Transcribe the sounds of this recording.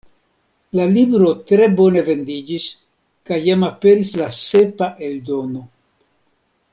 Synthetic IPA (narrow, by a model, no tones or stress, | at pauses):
lalibɾo̞tɾe̞bo̞ne̞ve̞nd̪id͡ʒis | kajːamape̞ɾislase̞paʔe̞ldo̞no̞